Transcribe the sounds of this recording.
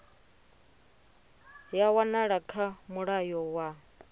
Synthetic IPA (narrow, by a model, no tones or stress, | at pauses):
jawanaɺakʰamuɺajɔwa